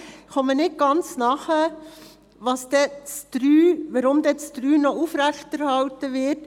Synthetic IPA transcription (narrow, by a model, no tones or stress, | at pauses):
χɔmənɪt̚ɡ̥ɑnt͡snɑχə | ʋɑsd̥̪ɛt͡stɾyːʋɑɾʊmd̪ɛt͡stɾyːnɔʔufɾæχtɛɾhɑltəʋɪt